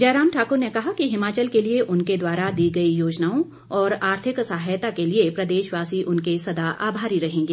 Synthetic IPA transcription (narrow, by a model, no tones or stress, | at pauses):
d͡ʒɛːɾaːmʈʰaːkʊɾnekɐɦakiɦɪmaːt͡ʃəlkelieʔʊnked̪waːɾad̪iːɡɐijoːd͡ʒnaːõ | ɔːɾaːɾt̪ʰɪksaɦajt̪akeliepɾɐd̪eːʃʋaːsiʔʊnkesɐd̪aʔa̰ːbʱaːɾiɾɐɦẽːŋɡeː